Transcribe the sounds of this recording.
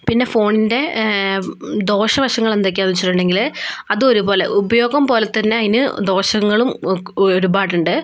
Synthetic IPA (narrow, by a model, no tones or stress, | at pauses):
pinːe̞fo̞ːɳinde̞ | d̪o̞ːɕɐʋɐɕɐŋːɐɭend̪o̞k̬ʲːeɐnːit͡ɕːiʈːuɳɖe̞ŋɡilɐðɨo̞ɾubo̞ːleʔubɐjo̞ːɡɐmpo̞ːlɐt̪ːɐnːe̞ɐðinɨd̪o̞ːɕɐŋːɐɭumoɾubaːʈːuɳɖɨ